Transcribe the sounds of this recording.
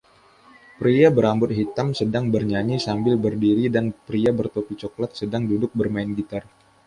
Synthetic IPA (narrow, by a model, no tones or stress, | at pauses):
pɾiabəɾambʊt̪̚ɦit̪amsədaŋbərɲaɲisambɪlbərdiɾidanpɾiabərt̪opit͡ʃoklat̪̚sədaŋdudʊk̚bərmaɪnɡit̪ar